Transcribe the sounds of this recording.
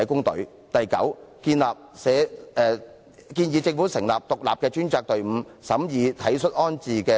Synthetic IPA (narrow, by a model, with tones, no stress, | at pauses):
jkʊ˥ŋt̪ɵ̰˨˥ɥ | t̪ɐ˨jkɐ̰˨˥wkiː˧nlaː˨p̚sɛː˨˥ɛː˧ | kiː˧njiː˨˧t͡sɪ˧ŋfuː˨˥sɪ˨˩ŋlaː˨p̚t̪ʊ˨k̚laː˨p̚kɛː˧t͡ʃyː˥nt͡saː˧k̚t̪ɵ˨ɥm̩ː˨˧sɐ˨˥mjiː˨˧t̪ʰɐ˨˥jsɵ˥t̚ʔɔː˥nt͡siː˨kɛː˧